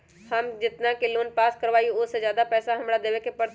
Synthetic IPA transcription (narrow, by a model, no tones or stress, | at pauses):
hɐmd͡ʒɪt̪nakeloːnpaːskɐɾʋaːiʊsezjaːd̪apɛːsaɦɐmɾad̪eːʋekepɐɽ